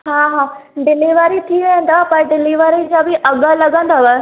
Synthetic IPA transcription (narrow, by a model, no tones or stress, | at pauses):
ɦaːɦaːɖɪliʋaːɾit̪ʰiʋẽə̃nd̪apãɖɪliʋaɾid͡ʑabʱiʔɐɡalɐɡãːnd̪aʋa